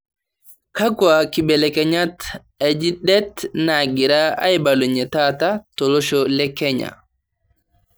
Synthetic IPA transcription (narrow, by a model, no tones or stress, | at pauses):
kakwakibɛlɛkɛɲat | ɛd͡ʒiɗɛtnaɡiɾaa̰jbaluɲɛtatatɔlɔʃɔlɛkːɛɲa̰